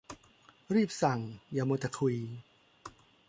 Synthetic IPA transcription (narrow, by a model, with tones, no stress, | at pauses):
ɾiː˥˩p̚sa˨˩ŋjaː˧˩mo˧t̪a˧˩kʰiː˧